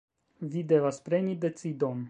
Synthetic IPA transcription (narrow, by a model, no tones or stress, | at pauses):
vid̪evaspɾe̞nid̪e̞sid̪on